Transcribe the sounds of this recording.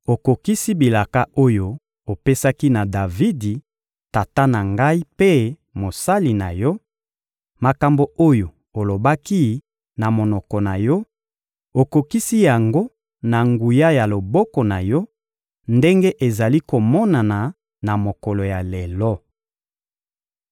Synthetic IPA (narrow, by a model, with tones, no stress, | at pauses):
o˨ko˨ki˦si˦bi˨la˨ka˦o˦jo˦˨ | o˨pe˦sa˦ki˦na˨da˨vi˦di˨ | ta˨ta˦na˨ŋɡa˦i˦pe˦ | mo˨sa˦li˨na̰˨jɔ˦ | ma˨ka˨mbo˨o˦jo˨ | o˨lo˨ba˦ki˦ | na˨mo˨nɔ˨kɔ˨na˨jɔ˦ | o˨ko˨ki˦si˦ja˨ŋɡo˦ | na˨ŋɡu˨ja˦ja˨lo˨bɔ˦kɔ˨na˨jɔ˦ | nde˦ŋɡe˦ʔe˨za˨li˦ko˨mɔ˦na˨na˨ | na˨mo˨kɔ˨lo˨ja˨le˨lɔ˦